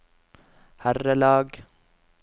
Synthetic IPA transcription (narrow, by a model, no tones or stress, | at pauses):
hærəlɑːɡ